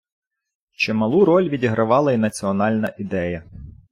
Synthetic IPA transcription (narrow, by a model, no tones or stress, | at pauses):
t͡ʃɪmɐlˠuɾɔlʲʋʲidʲiɦɾɐʋɑlˠɐinɐt͡sʲiɔnɑlʲnɐʔid̪ɛjɐ